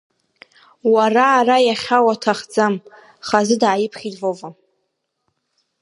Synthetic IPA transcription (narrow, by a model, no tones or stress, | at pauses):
waraːrajaχʲawatʰaχd͡zam | χazɨdaːjɪpʰχʲidvova